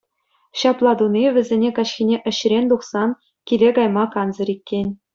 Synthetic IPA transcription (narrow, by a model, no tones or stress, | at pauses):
ɕɑplˠɑd̪unʲiʋʲɘ̆zʲenʲekɑɕxʲinʲeʔɘ̆ɕ̆rʲenʲd̪uχsɑn | kʲilʲeɡɑjmɑkɑnzɤ̆ɾikʲːenʲ